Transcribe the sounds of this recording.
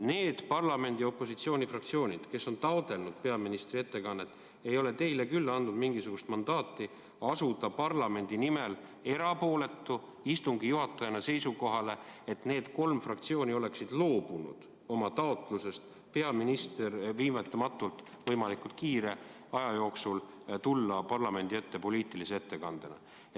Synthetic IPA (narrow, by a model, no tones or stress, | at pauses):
ne̞ːd̪̥pɑrlɑme̞nʲd̪̥io̞pːˑo̞sit̪sio̞ːnʲifrɑkt̪sio̞ːnʲid̪̥ke̞sːo̞nt̪ɑod̪e̞lnud̪̥pe̞ɑminist̪rie̞t̪ːe̞kɑnːet̪ːˑ | e̞jo̞le̞t̪e̞jle̞kylːɑnd̪ud̪miŋɡisuɡ̥ust̪mɑnd̪̥ɑːt̪ːˑi | ɑsud̪ɑpɑrlɑme̞nʲd̪̥inime̞l | e̞ɾɑpo̞ːle̞t̪ːˑu | ist̪uŋɡijuɦɑt̪ːˑɑjɑnese̞jsuko̞ɦɑle̞et̪ne̞ːd̪̥ko̞lmfrɑkt̪sio̞ːnʲio̞le̞ksid̪̥lo̞ːb̥unṵd̪̥ | o̞mɑt̪ɑot̪ˑluse̞st̪ | pe̞ɑminist̪erviːmet̪ːˑɑmɑt̪ːˑult̪ | vɤ̞jmɑlikult̪̚kiːɾe̞ | ɑjɑjo̞ːksul | t̪ulːɑpɑrlɑme̞nd̪̥ie̞t̪ːe̞po̞lʲiːt̪ːˑiliseet̪ːe̞kɑnd̪̥enɑ̰